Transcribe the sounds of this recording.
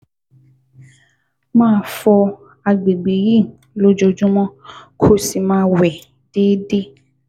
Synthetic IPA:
mãː˦˨fɔ˧ | a˨ɡ͡be˨ɡ͡be˨ji˦˨ | lo˦d͡ʒɔ˧d͡ʒũ˦mɔ̃˦kʰo˦si˨˧mãː˦wɛ˨ | d̥e˦de˦

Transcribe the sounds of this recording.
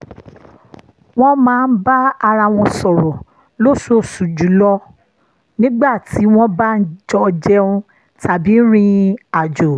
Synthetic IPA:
w̃ɔ̃˦mãː˨˦˧n̩˦ba˦a˧ɾa˧˨w̃ɔ̃˧sɔ˨ɾɔ˨ | lo˦˨so˦˨su˨d͡ʒu˨˦lɔ˧˦ | nĩ˦ɡ͡ba˦˨ti˨˦w̃ɔ̃˦ba˦n̩˦d͡ʒɔ˧d͡ʒɛ˧ũ˧ | tʰa˨bi˨˦ɾ̃ĩ˧a˨d͡ʒo˨

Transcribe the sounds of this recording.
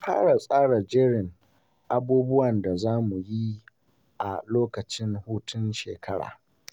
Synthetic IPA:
ɸa̰ː˦ɽa˨sʼaː˦ɽa˨d͡ʒɪ˦ɽɪ˨ŋ | ʔa˦buː˦bʊ˦wɐ˨nda˨zaː˦mu˨ji˦ | ʔa˨loː˦kɐ˨t͡ʃɪ˦ŋhuː˦tʰʊ˦nʃḛː˨kʰɐ˦ɽa̰ː˨

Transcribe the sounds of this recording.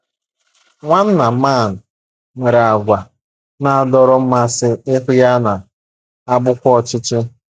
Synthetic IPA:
ŋʷa˦n̩˦na˨˦ma˦˨n̩˨ | mʷe˨ɾa˨a˨ɡʷa˨ | na˨a˨dɔ˦ɾɔ˦m̩˦ma˦sɪ˦ɪ˦ɦʊ˦ja˦na˨ | a˦bʊ˦kʷɔ˦˨t͡ʃɪ˦t͡ʃɪ˦

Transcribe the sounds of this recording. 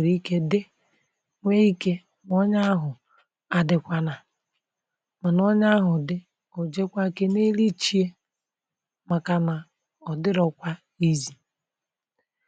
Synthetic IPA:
ɾi˦ke˦dɪ˦ | ŋʷe˦i˦ke˦ | m˦ɔ˦ɲa˦ɦʊ˨ | a˨dɪ˨kʷa˨na˨ | ma˨nɔ˦ɲa˦ɦʊ˨dɪ˦ | ʊ˨d͡ʒe˦kʷa˦ke˦ne˦li˦t͡ʃi˦e˦ | ma˨ka˨na˨ | ɔ˨dɪ˦ɾɔ˨kʷa˦ | i˦zi˨

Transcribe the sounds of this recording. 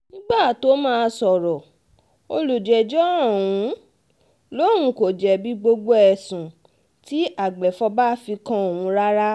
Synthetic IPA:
nĩ˦ɡ͡ba˦˨to˨˦mãː˦˧sɔ˨ɾɔ˨ | o˧lu˨d͡ʒɛ˨d͡ʒɔ˦ã˦˨ũ˨˦ | lõ˦˨ũ˧˦ko˨d͡ʒɛ˨bi˦ɡ͡bo˧ɡ͡bo˧˦ɛ˨sũ˨ | ti˦a˦˨ɡ͡bɛ˨fɔ˧ba˦fi˧kã˧o˨wũ˨˧˦ɾa˦ɾa˦

